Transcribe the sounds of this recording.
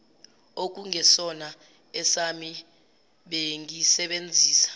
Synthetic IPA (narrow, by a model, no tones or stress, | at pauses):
ok̬uŋɛsɔna | ɛsami | ɓeŋisɛɓend͡zʱiːsḁ